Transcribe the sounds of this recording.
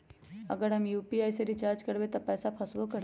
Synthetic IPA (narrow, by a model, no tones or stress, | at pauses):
ə̰ɡəɾɦəmjuːpiaɪseɾit͡ʃaːɾd͡ʒkəɾbet̪ɔpɛːsapʰɐsbokəɾ